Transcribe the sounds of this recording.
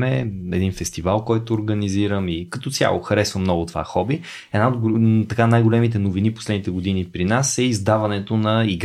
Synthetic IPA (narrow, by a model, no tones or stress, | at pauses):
mɛɛd̪infɛst̪ivalˠkɔjt̪oːɾɡəniziɾəmikɐt̪ɔt̪sʲja̰lˠoxɐɾɛsvəmnɔɡʊt̪ova̰xɔbi | ɛd̪naod̪ɡt̪ɐkanajɡolɛmit̪̬ɛnoviniposlɛd̪nit̪ɛɡod̪inipɾinasɛizd̪avɐnɛt̪onɐiɡ